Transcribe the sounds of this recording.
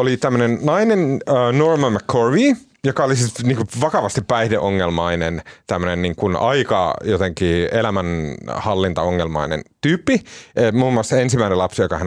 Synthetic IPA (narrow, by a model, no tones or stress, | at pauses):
olit̪æmːønennɑinenəːnormɑmækʰːorʋiː | jokɑolisiniːŋkuʋɑkɑʋɑst̪ippæihdeʔoŋːelmɑinent̪æmːønenniːŋkunɑikɑ̰jot̪eŋkiːelæmænhɑlːint̪ɑoŋːelmɑ̰inḛnt̪yːpːiemuːmːuɑstɑensimæinelɑpsjokɑhæn